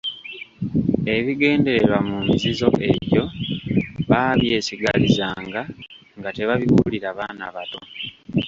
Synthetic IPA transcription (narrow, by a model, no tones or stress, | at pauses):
e̞βiɡe̞ːnde̞ɾeɾwamumizizo̞ʔe̞βjo̞ | βaːβje̞ːsiɡalizaːŋɡa | ŋɡate̞βaβiβuliɾaβaːna̰βato̞